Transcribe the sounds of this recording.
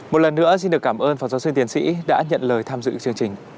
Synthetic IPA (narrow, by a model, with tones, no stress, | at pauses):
mo˨˩t̚lə˨˩nːɨ̰˧˥əsi˧nɗɨ˨˩əkːaː˧˩mʔəː˧nfɔː˨˩wzaː˨˦wsi˧ŋt̪i˨˦ənsḭ˧˥ɗa̰ː˧˥ɲə̰˧˨nləː˨˩jt̪ʰaː˧mzɨ̰˧˨t͡ɕɨ˧əŋt͡ɕï˨˩ŋ̟